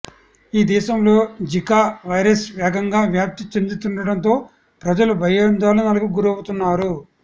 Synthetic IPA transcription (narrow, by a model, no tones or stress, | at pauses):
iːd̪ɛːʃɐmlo̞ːd͡ʒikaːʋɐjɾɐsʋɛːɡɐŋɡaːʋjaːp̚t̪it͡ʃend̪ut̪uɳɖɐɽɐnt̪o̞ː | pɾɐd͡ʒɐlubʱɐjɐnd̪aːlunɐlɐɡuɡuɾɐwut̪unːaːɾu